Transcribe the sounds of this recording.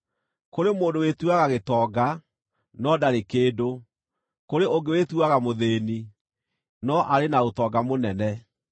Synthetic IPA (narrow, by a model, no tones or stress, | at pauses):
koɾemoːndowetuaɣaɣetɔːɡa | nɔdaɾekeːdo | koɾeoɡewetuaɣamoðeːni | nɔʔaɾenaotɔːɡamonɛnɛ